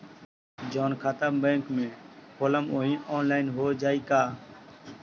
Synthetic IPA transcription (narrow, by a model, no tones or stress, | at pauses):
d͡ʒɔːnkʰaːt̪əmbẽːŋkmẽːpʰoːləmoːĩːʔɔːnlaːɪnɦoːd͡ʒaːiːkaː